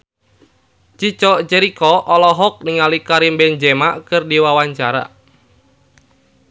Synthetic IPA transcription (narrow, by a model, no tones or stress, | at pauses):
t͡ʃit͡ʃɔʔt͡ʃɛɾikɔʔɔlɔɦɔk̚niŋalikaɾimbɛnd͡ʒɛmaʔkɨrdiwawaɲt͡ʃaɾa̰